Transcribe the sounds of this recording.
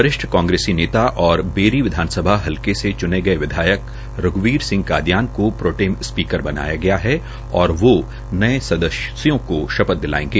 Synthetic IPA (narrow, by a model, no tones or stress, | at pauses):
pɐɾɪʃʈʰkãːŋɡɾeːsineːt̪aʔɔːɾbeːɾiʋɪd̪ʱaːnsəbʱaɦɐlkeset͡ʃʊneɡɐeʋɪd̪ʱaːjək | ɾʊɡʋiːɾsɪ̃ŋɡ̚kaːd̪jaːnkopɾoːʈeːmspiːkəɾbɐna̰ːjaɡɐjaɦɛ | ɔːɾʋo | nɐẽsɐd̪əssjõkoʃɐpət̪̚d̪ɪla̰ːḛ̃ːŋɡeː